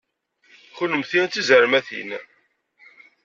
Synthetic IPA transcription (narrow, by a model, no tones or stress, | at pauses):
χʊnəmθit͡s̪ːizəɾmæθḭn